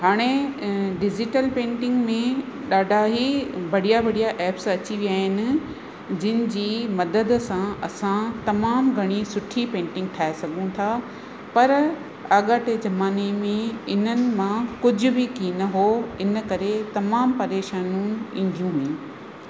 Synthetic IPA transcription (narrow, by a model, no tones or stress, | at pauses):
ɦaːɽ̃eɖɪd͡ʑɪʈəlpẽːɳʈɪ̃ŋɡmẽ | ɗaːɖʱaɦibɐɽijabʱɐɽijaʔɛːpsɐt͡ɕiʋijaːɦɪnɪ̆ | d͡ʑɪnɪ̆d͡ʑiːmɐd̪əd̪sãɐsãt̪ɐmaːmɡʱɐɽ̃isʊʈʰipẽːɳʈɪ̃ŋɡ̚ʈʰaːesɐɡʱũt̪ʰaː | pɐɾ | aːɠaːʈed͡ʑɐmaːnemẽɪn̤ənɪ̆mãkʊd͡ʑʱʊ̆bɪkiːnɐɦoɪn̆kɐɾet̪ɐmaːmpɐɾeːʃaːnũn̆ĩn̆d̪ʱijũɦuĩː